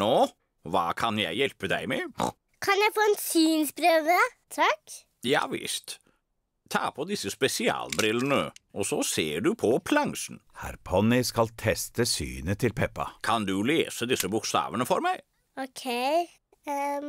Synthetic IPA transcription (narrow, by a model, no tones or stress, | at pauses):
noː | ʋɑːkʰɑnjæɪjɛlpəd̪æɪmɛ | kʰɑnjæɪfoːɛnsyːnspɾøːʋə | t̪ʰɑk | jɑ̰ːʋɪ̰st̪ | t̪ʰːɑ̰ːpʰɔd̪ɪsːəspɛsɪɑ̰ːlbɾɪlənəʔɔsɔseːɖʉpʰɔpʰlɑŋsn̩hæ̰ɾpʰɔnɪskɑlt̪ʰɛst̪əsy̰ːnət̪ʰɪlpʰɛpːɑ̰kʰɑnd̪ʉleːsəd̪ɪsːəbʊkst̪ɑ̰ːʋənəfɔɾmæɪ | ɔkʰeɪ